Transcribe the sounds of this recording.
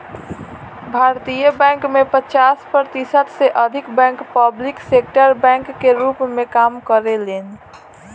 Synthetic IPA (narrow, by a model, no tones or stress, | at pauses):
bʱaːɾt̪ijəbɛ̃ŋkmẽpət͡ʃaːspɾəɾt̪isət̪seʔəd̪ʱɪkbɛ̃ŋkpəblɪksekʈəɾbɛ̃ŋkːeɾupmẽkaːmkəɾelen